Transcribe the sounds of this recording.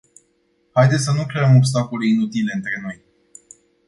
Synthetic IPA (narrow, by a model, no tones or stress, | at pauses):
hajd̪et̪sʲsənukɾeəmo̞bst̪akoleinut̪ile̞ɨnt̪ɾe̞no̞j